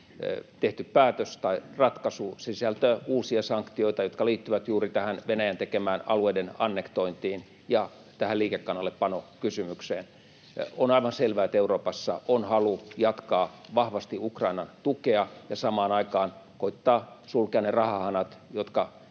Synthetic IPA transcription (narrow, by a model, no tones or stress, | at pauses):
t̪eht̪yppæːt̪øst̪ɑirɑt̪kɑsusiisælt̪øːuːsiɑsɑŋkt̪ioit̪ɑjot̪kɑliːt̪ːyʋæt̪juːrit̪æhænʋenæjænt̪ekemæːnɑ̰lueidenɑnːekt̪oint̪iːn | jɑ | t̪æhælliːkekːɑnːɑlːeppɑnokysymykseːn | onɑiʋɑnselʋæːet̪euroːpɑsːɑ̰ʔonhɑlujɑt̪kɑːʋɑhʋɑst̪iukrɑinɑnt̪ukeɑjɑsɑmɑːnɑikɑːnkoit̪ːɑːsulkeɑnerɑhɑhɑnɑt̪jot̪kɑ